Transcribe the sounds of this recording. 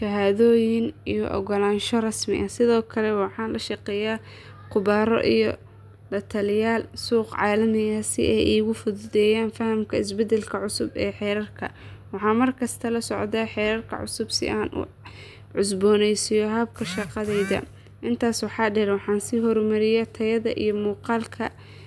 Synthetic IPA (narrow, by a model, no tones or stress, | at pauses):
ʃɐɦaːðɔːjɪnijɔ̰ʔɔ̰ɣɔlaːnʃɔrɑsmɪ̰ʔɐsɪðɔːkʰɐlɛwɑħɑːnlɐʃɑqɛːjaː | qʊβaːɾɔ̰ʔijɔ̰ | lɐt̪ʰɐljaːlsuːqʕɑːlɐnɐjɐsɪ̰ʔɛjʔiːɣʊfʊðʊðɛːjaːnfɐhɐmkʰɐɪsbɛd̪ɛlkʰɐʕʊsʊbɛːħɛːɾɐrkʰɐ̰wɑħɑːmɐrkʰɐst̪ʰɐlɐsɔʕd̪aːħɛːɾɐrkʰɐ̰ʕʊ̰sʊbsɪ̰ʔaːnʔʊ̰ | ʕʊsbɔːnɛjsijɔɦɐb̚kʰɐʃɑqɑðɛjðɐ̰ | ʔɪnt̪ʰaːswɑħɑːɖɛɾwɑħɑːnsiːɦɔrmɐɾɪjat̪ʰɐjɐðɐʔijɔmuːqɑːlkʰɐ